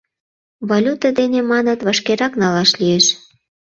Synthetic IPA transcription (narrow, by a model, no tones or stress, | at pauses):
βolʲut̪əd̪enemɑnət̪βɑʃkeɾɑknɑlɑʃlijeʃ